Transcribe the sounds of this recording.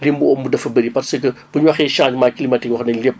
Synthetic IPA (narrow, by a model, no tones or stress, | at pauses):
limbuɔmbudɐfɐbəɾipɐsəkəb̥əɲwɐxɛːʃaːd͡ʒmaːkilimɐtikwɐxɐnɐlep̚